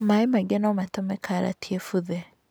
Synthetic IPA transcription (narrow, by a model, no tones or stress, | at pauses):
maemaɡɛnɔmatɔmɛkʰaɾa̰tiefuðɛ